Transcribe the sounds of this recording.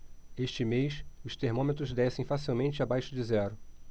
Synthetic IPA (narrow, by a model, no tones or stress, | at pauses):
eʃt͡ʃɪmejsʊʃt̪eɾmõmet̪ɾʊzd̪ɛsẽj̃fasiwmẽnt͡ʃɪabajʃʊd͡ʒɪzɛɾʊ